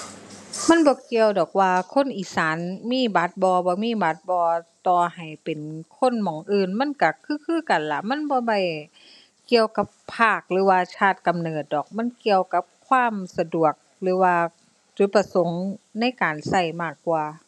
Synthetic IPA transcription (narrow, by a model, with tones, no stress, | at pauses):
ma˧˥˨nbɔː˧˦ki˧əwdɔː˨˩k̚waː˧kʰo˧˥˨nʔiː˨˩saː˨˦nmiː˧˥˨ba˧˦t̪̚bɔː˧bɔː˧˦miː˧˥˨ba˧˦t̪̚bɔː˧t̪ɔː˧˩ha˨˩jpe˨nkʰo˧˥˨nmɔː˨˦ŋʔɯː˧˨nma˧˥˨nka˧˩kʰɯː˧˥˨kʰɯː˧˥˨ka˨˩nla˧˩ma˧˥˨nbɔː˧˦ba˧˩j | ki˧əwka˧˦pʰːaː˧˩k̚lɯː˨˦waː˧t͡ɕʰaː˧˩t̪̚ka˨mnɤː˨˩t̪̚dɔː˨˩k̚ma˧˥˨nki˧əwka˧˥p̚kʰwaː˧˥˨msa˧du˨˩ək̚lɯː˨˦waː˧ | t͡ɕu˧˦t̪̚pːa˧so˨˦ŋna˧˥˨jkaː˨˩nsa˧˩jmaː˧˩kːwaː˧